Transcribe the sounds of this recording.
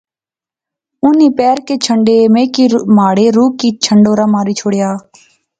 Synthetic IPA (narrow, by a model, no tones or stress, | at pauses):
ʊniːpɛːɾkeːt͡ʃʰəɳɖeːmẽːkiːmaːɽeːɾuːkːiːt͡ʃʰəɳɖoːɾaːmaːɾiːt͡ʃʰoːɽɪjaː